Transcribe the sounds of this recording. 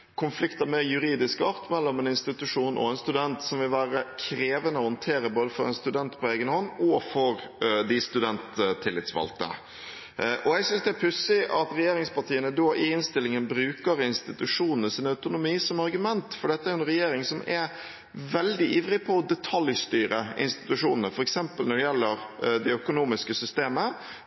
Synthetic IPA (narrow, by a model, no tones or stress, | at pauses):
kʰʊnflɪkt̪əmɛjʉɾiːd̪ɪskɑɾt̪mɛlːɔmɛnɪnst̪ɪt̪ʉʂuːnʔɔ̰ɛnst̪ʉd̪ɛnt̪sɔmʋɪlʋæːɾəkʰɾeːʋənəɔhɔnt̪ʰeːɾəboːd̪əfɔɾɛ̰nst̪ʉd̪ɛnt̪pʰɔeːɡənhɔnːɔfɔɾd̪ɪst̪ʉd̪ɛnt̪t̪ʰːɪlːɪt̪sʋɑ̰lt̪ə̰ | ʔɔɛɡsʏnsd̪ɛæɾpʰʉsɪʔɑt̪ɾɛjeːɾɪŋspɑʈʰiːənəd̪oːʔɪɪnst̪ɪlɪŋənbɾʉːkəɾɪnst̪ɪt̪ʉʂuːnnəsiːnəɑʉt̪ʊnʊmiːsɔmɑɾɡʉmɛnt̪fɔɖɛt̪əæɾjʊɛnɾɛjeːɾɪŋsɔmɛɾ | ʋɛld̪ɪʔiːʋɾɪpʰɔːd̪ɛt̪ʰɑljst̪yːɾəɪ̰nst̪ɪ̥t̪ʉʂuːnənəfɔɾɛksɛmpəlnɔɖɛjɛlːəɾd̪ɛœkʊnuːmɪskəsʏst̪eːmə